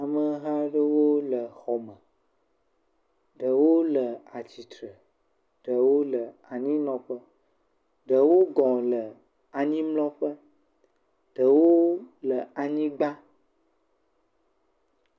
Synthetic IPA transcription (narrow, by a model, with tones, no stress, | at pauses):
a˨mə˨ɦa˦ɖə˦wo˦lə˨xɔ˨mə̃˨ | ɖə˨wo˦lə˨a˨t͡ɕi˨t̪ɾə˨ | ɖə˨wo˦lə˨a˨ɲĩ˦nɔ̃˨ɸə˦ | ɖə˨wo˦ɡɔ̃˨lə˨ | a˨ɲĩ˦mlɔ̃˦ɸə˦ | ɖ̥ə˨wo˦lə˨a˨ɲĩ˦ɡ͡ba˦